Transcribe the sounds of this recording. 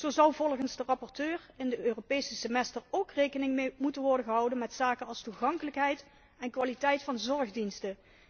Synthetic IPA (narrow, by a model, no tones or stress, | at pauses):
z̥owzɑwvɔlˠχənzdərɑpɔɹtøːrɪndəøːropejsəsəmɛstərowkrejkənɪŋmutənʋɔɹdəχəɦɑwdənmɛtsaːkənɑlˠstuχɑŋkələkɦɛjt | ɛnkʋaːlitɛjtfɑnzɔɹχdinstə